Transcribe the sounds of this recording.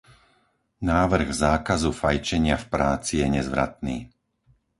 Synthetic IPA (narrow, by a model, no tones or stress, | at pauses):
naːʋr̩ɣzaːkazufajt͡ʃɛɲɪafpɾaːt͡sijɛɲɛzʋɾa̰t̪niː